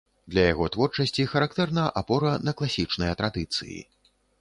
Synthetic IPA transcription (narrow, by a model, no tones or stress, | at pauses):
d̪lʲɐjaɣɔt̪vɔrt͡ʂɐsʲt͡sʲixɐɾak̚t̪ɛrnɐʔapɔɾɐnɐklˠasʲit͡ʂnɨjɐt̪ɾad̪ɨt̪sɨ̰jḭ